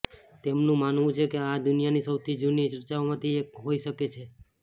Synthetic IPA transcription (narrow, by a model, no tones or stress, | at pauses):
t̪emnũmanʋũt͡ʃʰekead̪ʊnijanisəwt̪ʰid͡ʒunit͡ʃəɾt͡ʃaomãt̪ʰiekɦoiʃəket͡ʃʰe